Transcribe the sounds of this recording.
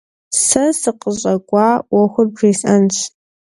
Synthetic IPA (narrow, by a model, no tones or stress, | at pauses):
sɐsɨqəʑʼɐɡʷɑːwɐxʷʊrbriːsʔɐnɕ